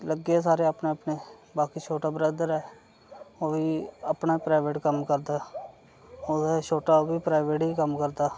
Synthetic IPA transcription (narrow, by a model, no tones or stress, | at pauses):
ləɡeːs̬aːɾeːapneːəpneːbaːkiːt͡ʃʰoːʈaːbəɾaːd̪əɾɛː | oːʋiːəpnaːiːpɾaːʋeːʈkəmkəɾd̪aː | oːd̪aːt͡ʃʰoːʈaːobiːpɾaːɪʋeːʈɦiːkəmkəɾd̪aː